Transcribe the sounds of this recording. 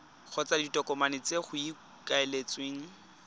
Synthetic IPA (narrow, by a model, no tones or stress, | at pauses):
k͡xʰɔt͡saditʼɔkɔmanɪt͡seχʊi | kʼaelet͡sʼweːŋ̩